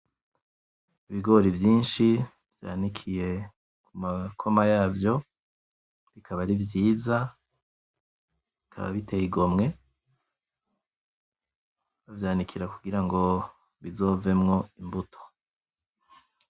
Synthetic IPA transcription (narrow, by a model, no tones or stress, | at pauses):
iβiɡo̞ɾivjiːnʃi | vja̰nikʰije̞ | kumakʰo̞majaːvjo̞ | βikʰaβaɾivjiːza | βikʰa̰βa̰βitejiɡo̞mŋe̞ | avjaːnikʰiɾakuɡiɾaŋɡo̞ | βizo̞ve̞mŋo̞imbutʰo̥